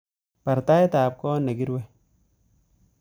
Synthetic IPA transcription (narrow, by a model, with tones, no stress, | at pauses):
pɐ˨ɾta˦jt̪aː˨b̚kɔː˦nɐ˨ɡi˦ɾwe˦